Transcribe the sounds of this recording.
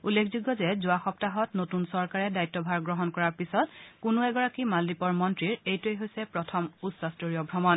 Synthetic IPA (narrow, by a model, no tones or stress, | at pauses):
ulːekʰzuɡːɔzɛzʊaxɔptaɦɔtnotunsɔɹkaɹɛdajtːɔbʱaɹɡɹɔɦɔnkɔɹaɹpisɔtkʊnʊɛɡɔɹakimaldipɔɹmɔntɹiɹejtujɦojsɛpɹɔtʰɔmusɔstoɹijɔbʱɹɔmɔn